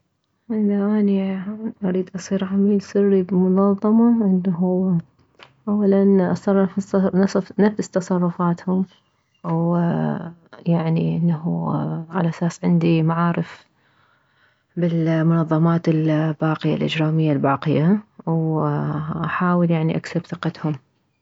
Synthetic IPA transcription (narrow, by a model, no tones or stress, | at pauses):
ʔɪnaʔaːniʔaɾiːd̪ʔɑsˤiːɾʕamiːlsɪrːibmʊnɑðˤːɑmɑʔɪnːaɦu | ʔawːalanʔɑsˤɑrˤːfnˤnafz̥t̪ɑsˤɑrˤːʊfaːt̪hʊm | w | jaʕniʔɪnːaɦuʕalaʔasaːsʕɪnd̪imaʕaːɾɪf | bɪlmʊnɑðˤːɑmaːt̪ɪlbaːqɪja̰lʔɪ̰d͡ʒɾaːmɪjːalbaːqɪjaw | ʔaħaːwəljaʕniʔaksabθɨqɑt̪hʊm